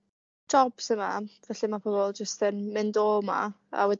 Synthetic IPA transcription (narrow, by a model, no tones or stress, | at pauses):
d͡ʒ̥ɔb̥səmavɛɬimapʰɔvɔlˠd͡ʒəstənmɪndoːma̰ | a̰wɛd